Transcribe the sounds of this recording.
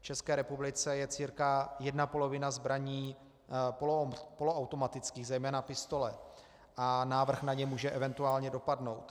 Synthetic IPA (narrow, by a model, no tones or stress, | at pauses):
ft͡ʃɛskɛːɾɛpublɪt͡sɛjɛt͡siːɾkajɛdnapo̞lo̞vɪnazbɾaɲiː | ppoloawt̪o̞mat̪ɪt͡skiːɣzɛjmɛːnapɪst̪o̞lɛ | ʔanaːvr̩xnaɲɛmuːʒɛʔɛvɛnt̪uaːlɲɛdo̞padno̞wt̪